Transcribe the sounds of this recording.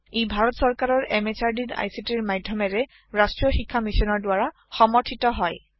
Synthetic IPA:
ejbʱaɹɔtsɔɹkaɹɔɹɛmet͡ʃaɹdina̰jsitiɹmajdʱːjɔmɛɹɛ | ɹastɹiɔxikʰːamisɔnɔɹdwaɹa | xɔmɔɹtʰitɔɦɔj

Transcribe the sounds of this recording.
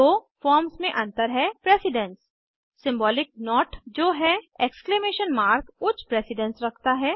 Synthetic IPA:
oːfɔːɾmsmẽʔɐ̃nt̪əɾɦɛpɾeːsɪɖə̃ns | sɪ̃mbɔːlɪk̚nɔːʈd͡ʒoːɦɛeːksklemeːʃənmaːɾkʊt͡ʃʰpɾeːsɪɖə̃nsɾɐkʰt̪aɦɛː

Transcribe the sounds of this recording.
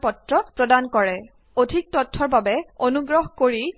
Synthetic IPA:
pɔtɹɔpɹɔdankɔɹɛ | odʱik̚tɔtʰːɔɹbabɛonuɡɹɔɦkoɹi

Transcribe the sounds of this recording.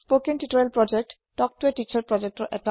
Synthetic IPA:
spokɛntiʈɔɹɛlpɹɔd͡ʒɛk̚ʈːɔk̚tuɛtit͡ʃaɹpɹɔd͡ʒɛk̚ʈɔɹʔɛta

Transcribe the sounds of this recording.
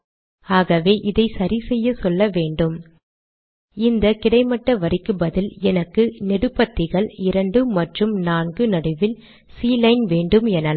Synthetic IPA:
aːɣɐʋeːʔɪðɐɪsɐɾɪsɛjːɐsɔlːɐʋeːɳɖɯm | ɪnd̪ɐkɪɽɐɪmɐʈːɐʋɐɾɪkːɯbɐðɪlɛnɐkːɯnɛɽɯpːɐt̪ːɪɣɐɭɪɾɐɳɖɯmɐʈrɯmnaːnɡɯnɐɽɯʋɪl | siːlɐɪnʋeːɳɖɯmɛnɐl

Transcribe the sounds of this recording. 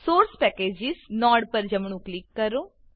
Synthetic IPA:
soːɾspɛːkeːd͡ʒɪznɔːɽpəɾd͡ʒəmɳũːklɪkːəɾoː

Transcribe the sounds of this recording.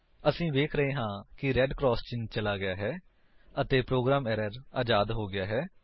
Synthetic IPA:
əsĩːʋeːkʰɾəɦẽːɦãːkɪɾɛːɖkɾɔːst͡ʃɪnt͡ʃəlaːɡɪjaːɦɛː | ət̪eːpɾoːɡɾaːmɛːɾəɾaːd͡ʒaːd̪ɦoːɡɪjaːɦɛː

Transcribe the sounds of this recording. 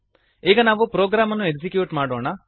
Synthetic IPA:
iːɡɐnaːʋupɾoːɡɾaːmɐnːueksikjuːʈmaːɽoːɳɐ

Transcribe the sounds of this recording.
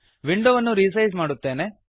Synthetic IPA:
ʋiɳɖoʋɐnːuɾisɐjzmaːɽut̪ːeːne

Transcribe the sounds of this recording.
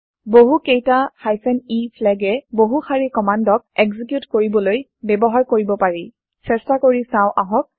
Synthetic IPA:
boɦukejtahajsɛnipʰlɛɡɛboɦuxʰaɹikɔmandɔk̚ɛkzik̬jutkoɹibɔloj | bɛbɔɦaɹkoɹibɔpaɹi | sɛstakoɹisãʊ̃ʔaɦɔk̚

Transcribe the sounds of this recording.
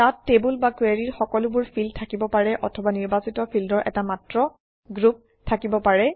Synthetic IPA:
tatːebulbakweɹiɹxɔkɔlʊbʊɹpʰild̚tʰakibɔpaɹɛʔɔtʰɔbaniɹbasitɔpʰildɔɹʔɛ̰tamatɹɔ | ɡɹup̚ | tʰakibɔpaɹɛ

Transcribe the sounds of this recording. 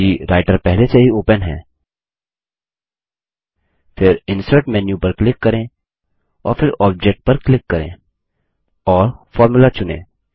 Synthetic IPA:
iɾaːɪʈəɾpɛɦleseɦioːpənɦɛ̰̃ː | fʰɪɾɪ̃nsəɾʈmɛ̃ːnjũpɐɾklɪkːɐɾẽ | ɔ̰ːɾfʰɪɾɔːb̚d͡ʒeːk̚ʈ̚pɐɾklɪkːɐɾḛ̃ː | ɔːɾfʰɔːɾmʊlat͡ʃʊnḛ̃ː

